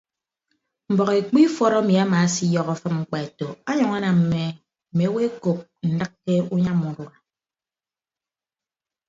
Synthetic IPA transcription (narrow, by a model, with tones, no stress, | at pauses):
m̩˨bɔ˨ɣe˨k͡pi˦fɔ˦˨ɾɔ˦mi˨a˦ma˨˦si˦jɔ˦ɣɔ˨fɨ˦mŋ͡m̩˨k͡pa˨e˨to˨a˦ɲɔ˨ŋa˦na˨m̩˨me˨ | m̩˨me˨˦we˦ko˨p̚n̩˨dɨ˦k̚ːke˦u˦ɲa˦mu˨ɾu˨a˨